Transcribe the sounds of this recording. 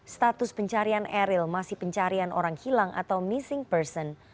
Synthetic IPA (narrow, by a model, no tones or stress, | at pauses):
st̪at̪ʊspəɲt͡ʃaɾianɛɾɪlmasɪhpəɲt͡ʃaɾianʔo̰ɾaŋhilaŋʔa̰t̪awmisɪŋpərsɔn